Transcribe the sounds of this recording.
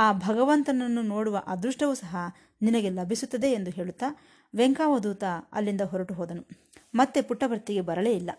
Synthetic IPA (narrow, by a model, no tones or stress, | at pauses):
aːbʱɐɡɐʋɐnt̪ɐnɐnːunoːɽuʋɐʔaːd̪ɾuʂʈɐʋusɐɦɐ | ninɐɡe̞lɐbʱisut̪ːɐd̪e̞ːnd̪uɦe̞ːɭut̪ːaː | ʋeŋkaːʋɐd̪uːt̪aɐ̰lːind̪ɐɦɔɾɐʈuɦɔːd̪ɐnu | mɐt̪ːepuʈːɐʋɐɾt̪ːiɡe̞bɐɾɐleːilːɐ